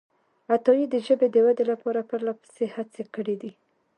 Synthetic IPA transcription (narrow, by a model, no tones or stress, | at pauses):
at̪ɑjid̪əʒəbed̪əwad̪elapɑɾapəɾlapə̥sehat͡sekəɽid̪i